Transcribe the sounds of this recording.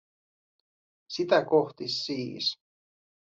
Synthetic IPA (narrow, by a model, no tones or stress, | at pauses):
sit̪ækoxt̪isːiːs